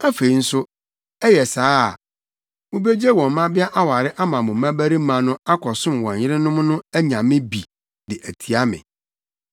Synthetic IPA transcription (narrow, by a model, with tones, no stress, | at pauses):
a˦fe˨i˦n̩˦sʊ˦ | ɛ˦jɛ˨saː˦˨ | mʊ̃˦be˦d͡ʑe˦wɔ̃˨m˨mã˦bɪ˦a˦ʔa˦wa˨ɾɪ˦ʔa˦mã˨mʊ̃˨mã˦bæ˦ɾi˦mã˨nʊ̃˦a˦kʰɔ˨sʊ̃˦m˨wɔ̃˨ɲ˨jɪ˦ɾɪ˦nʊ̃˦m˦nʊ̃˦æ˦ɲã˨mɪ̃˦bi˨ | dɪ˨ʔæ˨tʰi˨a˦mɪ̰̃˨